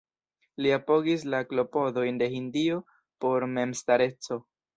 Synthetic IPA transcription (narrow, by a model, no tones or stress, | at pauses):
liapo̞ɡis̬laklo̞po̞do̞jnde̞hindio̞ | po̞ɾme̞mstaɾe̞t͡so̞